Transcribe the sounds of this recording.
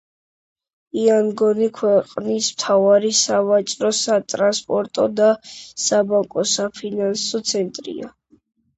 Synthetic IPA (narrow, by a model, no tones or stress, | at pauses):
iaŋɡɔnikʰwɛqʼnismt̪ʰavaɾisavat͡ʃʼɾɔsat̪ʼɾanspʼɔɾt̪ʼɔd̪asabaŋkʼɔsapʰinansɔt̪sʰɛnt̪ʼɾḭa̰